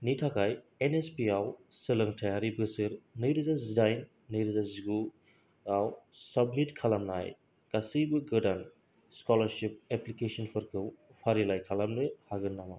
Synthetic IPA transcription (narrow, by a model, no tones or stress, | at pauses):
nitʰakʰaj | enespiaw | sɯlɐŋtʰajaɾibɯsɯɾnɯjɾɯzazidajnː | ɯjɾɯzaziɡu | awsɐbmitkʰalamna̰j | ɡasibɯɡɯdan | skɔlɐɾsip̚eplikesɔnpʰɯɾkʰɯwpʰaɾilajkʰalamlɯhaɡɯnːama̰w